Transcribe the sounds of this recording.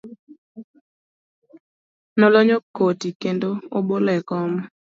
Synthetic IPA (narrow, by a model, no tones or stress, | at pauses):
nɔlɔɲokotikendoobolɛkɔmɔ